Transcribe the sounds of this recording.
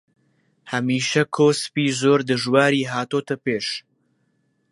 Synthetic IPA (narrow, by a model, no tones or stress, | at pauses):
hɐmiːʃɐkʰoːsɨ̥piːzoːɾd̪ɨʒwaːɾiːɦaːt̪oːt̪ɐpeːʃ